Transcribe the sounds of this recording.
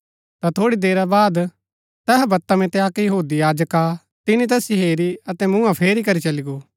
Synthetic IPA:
t̪at̪ʰoːɽid̪eːɾabaːd̪ | t̪ɛːɦbɐt̪ːamɛ̃t̪eaːkjɐɦuːd̪ijaːd͡ʒəka | t̪ɪnĩt̪ɛːsiɦeːɾiɐt̪ɛmũãpʰeːɾikɐɾit͡ʃɐliɡoː

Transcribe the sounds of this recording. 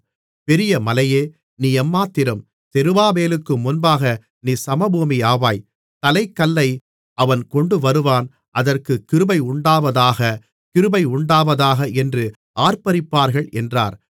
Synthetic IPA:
pɛɾɪjɐmɐlɐjeː | niːɛmːaːt̪ːɪɾɯm | t̪ɛɾɯʋaːmeːlɯkːɯmʊnbaːɣɐ | niːsɐmɐbuːmiaːʋaːj | t̪ɐlɐɪkːɐlːɐɪ | ʔɐʋɐnkɔɳɖɯʋɐɾɯʋaːn | ʔɐðɐrkɯkːɪɾɯbɐɪʊɳɖaːʋɐðaːɣɐ | kɪɾɯbɐɪʊɳɖaːʋɐðaːɣɐʔɛndrɯ | ʔaːɾpɐɾɪpːaːɾɣɐɭɛndra̰ːɾ

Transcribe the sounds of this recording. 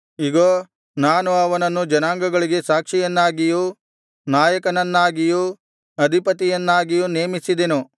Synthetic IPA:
iɡoː | naːnuɐʋɐnɐnːud͡ʒɐnaːŋɡɐɡɐɭiɡe̞saːkʂijɐnːaːɡiju | naːjɐkɐnɐnːaːɡiju | ɐd̪ʱipɐt̪ijɐnːaːɡijuneːmisid̪enu

